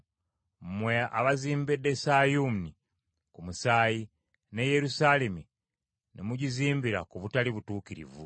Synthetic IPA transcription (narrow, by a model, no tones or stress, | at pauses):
mwea̰βaziːmbedːe̞sajumni | kumusaːji | ne̞je̞ɾusaːlemi | nemuɟiziːmbiɾakuβutaliβutuːkiɾḭvṵ